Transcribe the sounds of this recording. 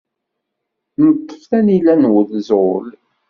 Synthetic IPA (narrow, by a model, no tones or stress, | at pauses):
nət̪ːə̥fθænilænwəlzol